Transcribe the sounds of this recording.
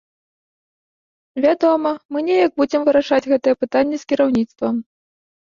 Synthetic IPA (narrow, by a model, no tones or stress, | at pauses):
vʲad̪ɔmɐmɨnʲɛjaɡ̚bud͡zʲɛmvɨɾaʂad͡zʲɣɛt̪ɨjɛpɨt̪anʲːɛskʲiɾawnʲit̪st̪vɐm